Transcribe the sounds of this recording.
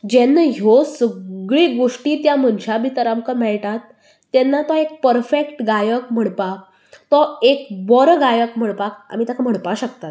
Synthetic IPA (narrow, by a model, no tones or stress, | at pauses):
d͡ʑɛnːəɦosəɡɭiːɡoʂʈiːt̪jamənɕabʱit̪əɾamkəmɛɭt̪at̪ː | ɛnːat̪ɔek̚pəɾfekʈɡajəkm̤əɽpa | t̪ɔekbɔɾɡajəkm̤əɽpaka̰m̤it̪akʰam̤əɽpaɕəkt̪at̪